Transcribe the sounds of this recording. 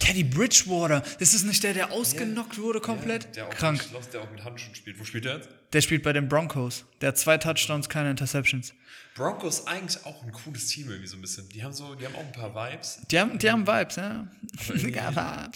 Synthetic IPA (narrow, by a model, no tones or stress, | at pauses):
tʰɛdibʁɪt͡ʃvɔːɾɐɐd̥ɪsɪsnɪçt̚d̥eːɐɾeːɐʔaʊsɡ̥ənɔk̚tv̥ʊɐɾəkʰɔmpʰlɛtd̥eːɐkʁ̥aŋkasd̥eːɐaʊxmɪthantʃʊnʃpiːltvoːʃpiːlteːɐjɛt͡sd̥eːɐʃpiːlt̚b̥aɪɾeːmbʁɔŋkʰosd̥eːɐhatt͡sv̥aɪtʰat͡ʃtaʊnskʰaɪnəɪntɐsɛpʃn̩sb̥ʁɔŋkoɪsʔa̰ɪɡŋ̩tlɪça̰ʊxn̩kʰuːləstʰiːmʔɪɐɡŋ̩tvizoːnbɪsçənd̥iːhaːbm̩zoːdiːhaːm̩a̰ʊxn̩pʰaːɐvaɪpsd̥iːhaːbm̩diːhaːbm̩vaɪpsjaː | ɡa̰a̰